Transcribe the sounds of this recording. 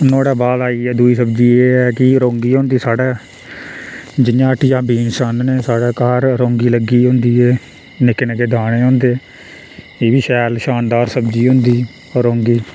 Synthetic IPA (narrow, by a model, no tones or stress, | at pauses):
noːɽaːbaːlaːiːɛːd̪uiːsəb̚d͡ʒiːeːɛːkɪɾõːŋɡiːɦõːnd̪iːsaːɽɛː | d͡ʒɪjaːʈʰjãːbiːnsaːnneːsaːɽeːkaːɾɾõːŋɡiːləɡiːɦõːnd̪iːeː | nɪknəɡeːd̪ʱaːɽ̃ẽːɦõːnd̪eː | eːbiːʃɛːlʃaːnd̪aːɾsəbd͡ʒiːɦʊ̃nd̪iː | ɔːɾõːŋɡiː